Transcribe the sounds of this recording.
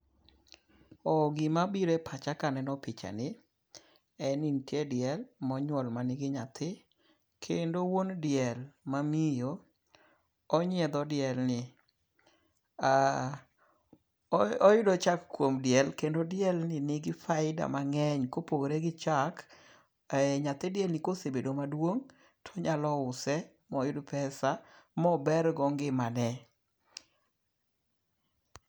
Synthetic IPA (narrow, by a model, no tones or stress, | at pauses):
ɔɡɪmabiɾepʰat͡ʃakanɛnɔpɪt͡ʃa̰nɪ | ɛnɪntjedɪjɛlmɔɲwɔlmanɪɡɪɲat̪ʰɪ | kʰendowondjɛlmamijo | ɔɲɛd̪ɔdɪɛlnɪ | a | ɔjʊdɔt͡ʃakkːwomdjɛlkendodjɛlnɪnɪɡɪfaɪda̰maŋɛɲkopoɡɾeɡɪt͡ʃak | ɲat̪ɛdjɛlnɪkosebedomadwoŋ | tʰɔɲalɔʊsɛ | mɔjʊdopɛsamɔbɛrɡɔŋɡɪmanɛ